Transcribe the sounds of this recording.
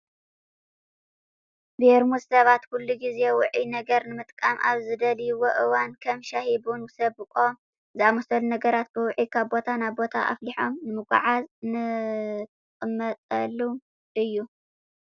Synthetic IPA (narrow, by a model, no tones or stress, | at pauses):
beɾmuzsɐβat̪kʰulːuɡize̞wʊʕinɐɡɐɾnɨmɨt̪ʼkʼamʔa̰βzɨd̪ɐljwoʔɨwankʰɐmʃahibunwɨsɐβbɨkʼom | zɨamɐsɐlunɐɡɐɾat̪̚bɨwʊʕikʰaβbo̞t̪ʰanaβbo̞t̪ʰa̰ʔa̰fliħo̞mnɨmɨɡʷa̰ʕaznɨt̪ʰɨkʼɨmːɐt̪ʼɐlːum | ʔɨjːu